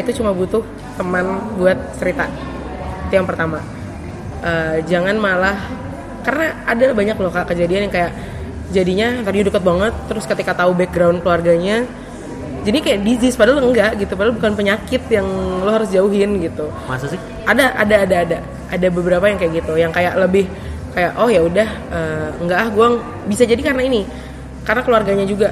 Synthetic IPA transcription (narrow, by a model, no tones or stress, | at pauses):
it̪ut͡ʃumabut̪ʊh | t̪əmanbuat̪̚t͡ʃəɾit̪a | it̪ujaŋpərt̪ama | ʔəd͡ʒaŋanmalah | kaɾənaʔadabaɲaklɔhkaʔkəd͡ʒadianjaŋkajaʔ | d͡ʒadiɲat̪ərɲudəkət̪̚baŋət̪ːəɾʊskət̪ikat̪aubɛk̚ɡɾawnkəluarɡaɲa | d͡ʒadikajaʔdisɪspadaləŋɡaʔɡit̪upadalbukanpəɲakɪt̪̚jaŋlohɦaɾʊsd͡ʒauɦɪnɡit̪u | masasɪ | adaʔa̰daːdaːda | adabəbəɾapajaŋkajaʔɡit̪ujaŋkajaʔləbɪh | kajaʔɔhjaudahəːəŋɡaʔlahɡua | bisad͡ʒadikarənaini | karənakəluarɡaɲad͡ʒuɡa